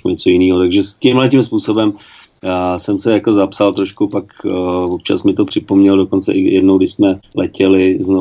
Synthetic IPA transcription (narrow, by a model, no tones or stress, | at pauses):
kuɲɛt͡so̞jɪniːɦot̪aɡʒɛscɪmɦlɛcɪmspuːso̞bɛm | asɛmsɛjako̞zapsalt̪ɾoʃkupakvop̚t͡ʃa̰smɪt̪o̞pr̥ɪpo̞mɲɛldo̞ko̞nt͡sɛ̰ʔɪjɛdnowɡdɪʃsmɛlʔɛcɛlɪzno